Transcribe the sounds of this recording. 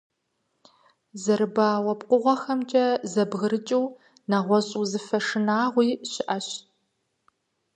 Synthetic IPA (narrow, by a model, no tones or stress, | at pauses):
zɐɾɨbaːwɐpqʷʼʊʁʷɔxɐmt͡ʃʼɐzɐbɣɨɾɨt͡ʃʼiw | naʁʷɔɕʼuːzɨfɐʂɨnaːʁʷiːɕɪʔɐɕ